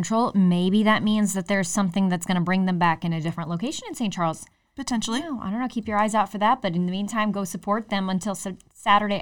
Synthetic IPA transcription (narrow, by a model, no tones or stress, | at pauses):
ntʰɹ̥oʊlˠmeɪbiðɨt̚mĩnzðɨt̪̚ðə˞ɨz̥sʌ̃mθɪ̃ŋðɨtsɡ̥ʌnəbɹɪ̃ŋðɨ̃mbækɨ̃nɨdɪfɹə̃nʔloʊkʰeɪʃɨ̃nɨ̃nsẽɪ̃n̚t͡ʃʰɑɹlˠz̥ | pɨtʰɛ̃nʃl̩ˠioa̰ɪdõʊ̃nːoʊkʰipjə˞aɪzaʊtfə˞ðæt̚b̥ʌɾɨ̃nðɨmĩntʰãɪ̃mɡoʊsəpʰɔɹt̪̚ðɨ̃mə̃ntʰɪlˠs | sæɾə˞ɾeɪ